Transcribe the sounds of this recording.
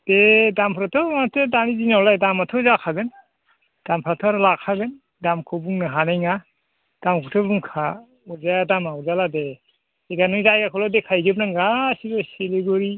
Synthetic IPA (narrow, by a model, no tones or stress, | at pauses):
d̥edampʰɾatʰɔmatʰɯdanizinawlajdamatʰɔzakʰaɡɯn | d̥ampʰɾatʰɔɾlakʰaɡɯn | damkʰɔbuŋnɯɦanajŋa | d̥amkʰutʰɔbuŋkʰa | uzajadamauzalade | eɡanɯŋzajɡakʰɔlɔdekʰajɡɯp̚naŋɡasibɔseleɡɔɾi